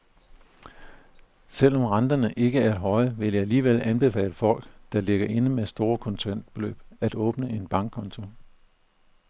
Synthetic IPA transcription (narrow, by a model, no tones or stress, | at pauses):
sel̰ɒ̽mʁɑnd̥ɐnəʔe̝ɡ̥əæɐed̥ɦɒ̽ɪʋe̝ljäæliːʋelænb̥e̝fɛ̰ːɪləfɒ̽l̰ɡ̥d̥ɑ̈le̝ɡ̥ɐʔe̝nəmesd̥o̝ːɐkʰɒ̽nt͡sʰæn̰d̥b̥e̝lø̰ːb̥æd̥ɔ̽ːb̥nəʔe̝nb̥ɑ̈ŋɡ̥̚kʰɒ̽nt͡sʰo̝